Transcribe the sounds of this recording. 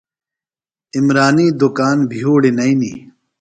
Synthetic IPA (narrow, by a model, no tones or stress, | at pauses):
imɾaːniːd̪ukaːnbʱijuːɽinɐinḭː